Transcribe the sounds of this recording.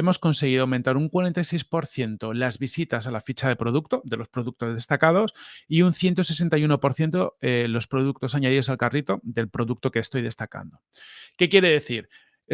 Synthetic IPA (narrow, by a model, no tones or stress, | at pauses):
emo̞sko̞nse̞ɣiðoawment̪aɾuŋkwaɾe̞nt̪ajse̞jspo̞ɾθje̞nt̪o̞lazβisit̪as̬alafit͡ʃaðe̞pɾoðukt̪o̞ðe̞lo̞spɾo̞ðuk̚t̪o̞zðe̞st̪akað̞o̞siunθje̞nt̪o̞se̞s̬e̞nt̪ajuno̞po̞ɾθje̞nt̪oelo̞spɾo̞ðuk̚t̪o̞saɲaðiðo̞salkarit̪o̞ðe̞lpɾo̞ðuk̚t̪o̞ke̞ːst̪o̞jðe̞st̪aka̰nd̪o̞ | kekje̞ɾe̞ðe̞θiɾ | e